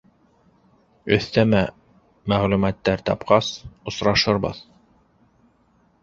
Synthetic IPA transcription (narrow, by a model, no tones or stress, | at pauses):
ɵ̆θt̪æmæ | mæʁlʉmæt̪ːæɾt̪ɑ̰pqɑsŏsɾɑʃɤɾbɤ̰ð